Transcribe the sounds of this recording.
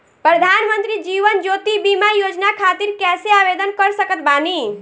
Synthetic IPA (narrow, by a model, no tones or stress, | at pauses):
pɾəd̪ʱaːnmənt̪ɾid͡ʒiːʋənd͡ʒoːt̪ibimajoːd͡ʒnakʰaːt̪iɾkɛːseabed̪ənkəɾsəkət̪baːni